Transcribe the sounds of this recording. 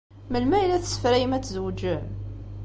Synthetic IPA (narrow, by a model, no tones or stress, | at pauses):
məlmæjlæθə̥sə̥fɾæjəmæt͡sːzəwd͡ʒəm